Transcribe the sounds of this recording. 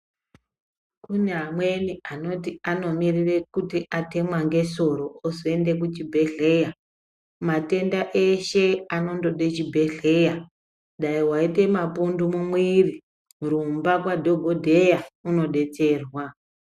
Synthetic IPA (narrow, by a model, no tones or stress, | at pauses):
kuneɦamwe̞niano̞tiano̞mirire̞kutiʔate̞mwaŋɡe̞so̞ɾo̞ːzoe̞nde̞k̬ut͡ʃibʱe̞ɬe̞ja | mate̞ndaʔe̞ʃe̞ano̞ndo̞ɗet͡ʃibʱe̞ɮe̞ja | ɗaiwaite̞mapundumumwiːri | muɾumbakwadʱo̞ɡʱodʱe̞jauno̞ɗe̞t͡se̞rwa